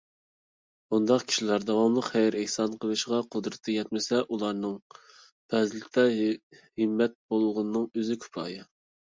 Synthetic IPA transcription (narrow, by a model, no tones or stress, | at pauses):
bund̪ɑqkʲʰi̥ʃilæɾd̪ɑwɑmlˠəqχæjɾæhsɑnqʰəlˠɨʃʁɑqʰʊd̪ɾɨt̪ʰːɨjɛt̪̚mɪsɛʔulˠɑɾnɨŋ | pʰɛzlɪt̪ʰɛhɪmːɛt̪̚bolˠʁʊnnɨŋøzɪkʲʰy̥pʰɾɑ̰ːjɨ